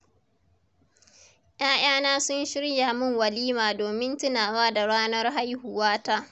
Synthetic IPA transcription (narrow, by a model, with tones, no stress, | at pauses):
ʔj̰aː˦j̰aː˦naː˦sʊ˦nʃɪ˦ɽja˨mʊ˦ŋwɐ˨liː˦maː˨doː˨mɪ˦ntɪ˦naː˨waː˦da˨ɽaː˦nɐ˦rɦa˦jhʊ˨waː˦taː˦